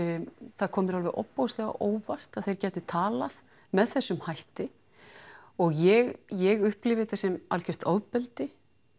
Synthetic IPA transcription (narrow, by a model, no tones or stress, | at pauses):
θaðkʰɔːmɪɾalvɪʔɔ̰pːowslɛɣa̰ʔoːwvar̥t̪aðθejɾcɛːt̪ʏt̪ʰaːlaθ | mɛðθɛsːʏmhajht̪ɪ | ɔɣjɛɣjɛɣʏhplɪvɪθɛsːɪma̰lcʰɛr̥t̪aːwðpɛlt̪ɪ